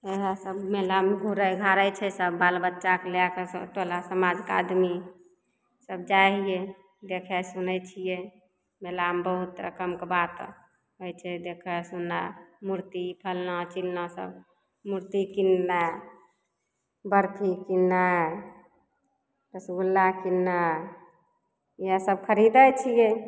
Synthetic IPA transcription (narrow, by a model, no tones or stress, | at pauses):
eɦəsəbmelamɡʱuɾəjɡʱaɾəjt͡ʃʰɛsəbːalbətːʃakeleakesʈolasəmad͡ʒka̰d̪mi | səb̚d͡ʒaɦije | d̪ekʰɛsunət͡ʃʰije | melambəɦut̪ɾə̰kəmkebat̪ | ɦojt͡ʃʰɛd̪ekʰɛsunːamuɾt̪ipʰəlnat͡ʃilnasə̰b | muɾt̪ikinːa | bəɾt̪ʰikinːa | pəsɡulːakinːa | jasəb̚kʰəɾid̪ət͡ʃʰije